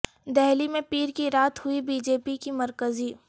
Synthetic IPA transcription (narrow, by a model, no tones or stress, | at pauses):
d̪ɛɦlimẽpiːɾkiɾaːt̪hʊibiːd͡ʒeːpikimɐɾkəziː